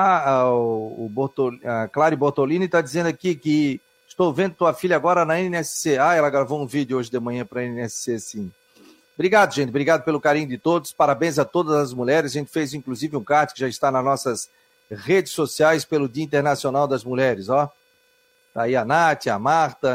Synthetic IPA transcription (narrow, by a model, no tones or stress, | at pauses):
aaʊboɾt̪olaklaɾɪʊboɾt̪olĩnɪt̪ad̪izẽnd̪akikɪ | ɪst̪owvẽd̪ʊt̪uɐfiʎɐaɡɔɾɐnɐẽnɛsseaɛlɐɡɾavowũvid̪ʊoʒɪd̪ɪmɐ̃ɲɐ̃pɾɐẽnɛsɪ̥sesĩ | bɾiɡad̪ʊʒẽnt̪ɪbɾiɡad̪ʊpelʊkaɾĩɲʊd̪ɪt̪od̪ʊspaɾabẽj̃zɐt̪od̪ɐzɐzmuʎɛɾɪzaʒẽnt̪ɪ̥fejzĩkluzivɪũkaɾt̪ʊkɪʒaɪst̪anɐznɔsɐs | ʁed͡ʒɪsosiajspelʊd̪iɐĩnt̪eɾnasionawd̪ɐzmuʎɛɾɪzɔ | t̪aiɐnat̪ɪɐmaɾt̪ɐ